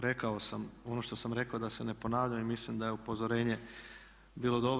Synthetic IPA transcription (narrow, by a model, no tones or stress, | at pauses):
ɾe̞kao̞samo̞no̞ʃt̪o̞samɾe̞kaod̪ase̞ne̞po̞naːʋʎamimislimd̪ajeupo̞zo̞ɾe̞ːɲe̞ | biːlo̞d̪o̞b